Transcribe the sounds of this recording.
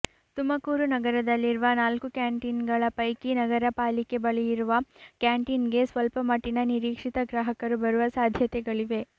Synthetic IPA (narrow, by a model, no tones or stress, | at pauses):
t̪umɐkuːɾunɐɡɐɾɐd̪ɐlːiɾuʋɐnaːlkukaːɳʈinɡɐɭɐpɐjkinɐɡɐɾɐpaːlike̞bɐɭɛjiɾuʋɐkaːɳʈinɡe̞sʋɐlpɐmɐʈːinɐniɾiːkʂit̪ɐɡɾaːɦɐkɐɾubɐɾuʋɐsaːd̪ʱjɐt̪ɛɡɐɭiʋe̞